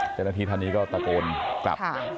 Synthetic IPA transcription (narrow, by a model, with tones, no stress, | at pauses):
t͡ɕaː˧˥˩wnaː˥˧t̪ʰiː˧t̪ʰa˧nːiː˦˥kɔː˥˩pa˧koː˧nkla̰˨˩˧